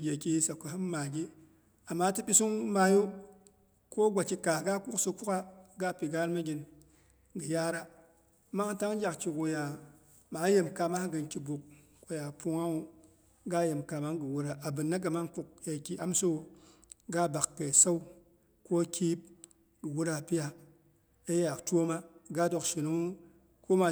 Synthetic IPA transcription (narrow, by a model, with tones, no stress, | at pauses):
ɡʲe˨ki˦hi˦sa˨ku˨ɦɨ˦m˦ma˨ɡʲi˦ | a˨mːa˦tɨ˦ɓi˦su˦ŋ˦ma˦jo˦ | ko˦ɡʷa˨t͡ʃi˦ka˨ɡa˦ku˦kso˧ku˦ka˦ɡa˦˨pi˨ɡa˦lma˦ɡʲi˨n | ɡɨ˨ja˦ɾa˦˨ | ma˦ha˦ta˦ŋ˦d͡ʒa˨kki˨ko˨ja˨ | ma˨˦je˨mka˨ma˦ɡɨ˨nkʲi˨bu˨k̚ | ko˨ja˨pu˦ŋa˦u˦ | ɡa˦je˨mka˧ma˦ɡɨ˨wu˦ɾa˨a˨bɨ˨nːa˦ɡa˨ma˦ŋ˦ku˦k̚je˨kʲi˦a˦mso˦u˨ | ɡa˦˨ba˨kːe˨sa˦w | ko˦kʰʲi˦p̚ | ɡɨ˨wu˦ɾa˨pi˦ja˨ | e˦je˦a˨tʷo˦ma˦ɡa˦do˧kʃi˨nu˦ŋu˦ | ko˦ma˨